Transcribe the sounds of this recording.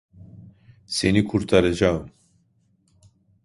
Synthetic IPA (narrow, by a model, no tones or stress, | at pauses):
senikʰuɾt̪ʰaɾɛd͡ʒaːɨm